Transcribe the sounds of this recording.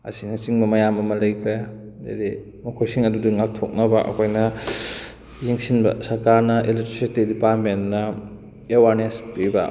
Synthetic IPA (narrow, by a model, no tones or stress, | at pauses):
ɐsinɐt͡ʃiŋbɐmɐjamɐmɐlɐjkʰɾe | ḛdi | mɐkʰojsiŋɐdudiŋak̚tʰok̚nɐbɐʔɐ̰kʰojnɐ | jiŋsinbɐ̰sɐɾkaɾnɐʔeletɾisistedipaɾ̚mennɐ | ewaɾnespibɐ̰